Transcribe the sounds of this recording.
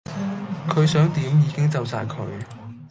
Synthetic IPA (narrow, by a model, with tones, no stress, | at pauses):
kʰɵ˨˧ɥsœː˨˥ŋt̪iː˨˥mjiː˨˧kɪ˥ŋt͡sɐ˨wsaː˧jkʰɵ˨˧ɥ